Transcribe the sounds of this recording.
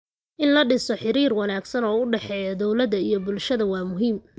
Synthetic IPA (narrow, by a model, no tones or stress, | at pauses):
ʔɪnlɐɖɪsɔħɪɾiːrwɑnaːɡsɐnɔːʊɖɛħɛːjɐd̪ɔwlɐðɐijɞbʊlʃɐðɐwɑːmʊɦiːm